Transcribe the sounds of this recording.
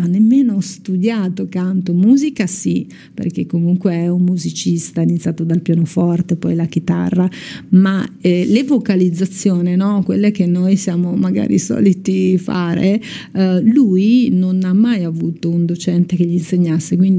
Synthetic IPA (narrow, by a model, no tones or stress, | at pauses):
anːemːeːnost̪ud̪jaːt̪okant̪omuːzikasi | pḛrkekːomuŋkweɛumːuzit͡ʃist̪ainit̪sʲːjaːt̪od̪alpjaːnofɔrt̪epɔjlak̟it̪a̰rːamaɛlevokalid̪zːat̪sːjoːninɔkwḛlːek̟enːojsjaːmomaɡa̰ːɾḭsɔ̰ːlit̪ifa̰ːɾe | lujnonamːajavuːt̪ound̪ot͡ʃɛnt̪ek̟eʎːinseɲːasːekwind̪i